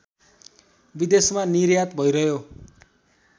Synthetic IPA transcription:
bid̪esmaniɾjat̪bʱʌjɾʌɦjo

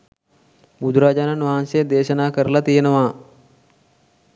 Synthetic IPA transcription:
bud̪ɾaːd͡ʒaːnanʋaɦansed̪eːʃɐnaːkəɾəlat̪ijenəʋaː

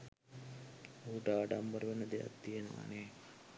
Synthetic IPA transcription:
uːʈaːɖambəɾəʋenəd̪eja̰t̪ːijenəʋa̰neː

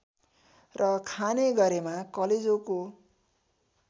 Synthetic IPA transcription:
rʌkʰaneɡʌɾemakʌled͡zoko

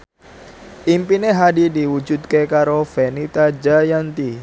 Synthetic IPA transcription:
ʔimpineɦadidiwud͡ʒud̪̚kekaɾofenit̪ad͡ʒajant̪i

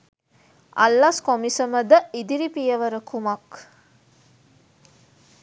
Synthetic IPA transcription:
ʔa̰lːaskomisəməd̪əid̪iɾipijəʋəɾəkʰumak

